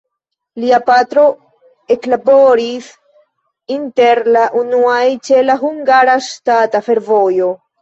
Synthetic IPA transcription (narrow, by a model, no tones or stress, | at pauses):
liapatɾo̞ | e̞klabo̞ɾis | inte̞ɾlaʔunuajt͡ʃe̞laɦuŋɡaɾaʃtatafe̞ɾvo̞jo̞